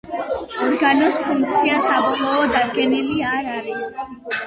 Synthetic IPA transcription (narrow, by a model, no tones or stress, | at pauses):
ɔɾɡanɔspʰuŋk̚t̪sʰiasabɔlˠɔːd̪ad̪̚ɡɛniliaɾaɾis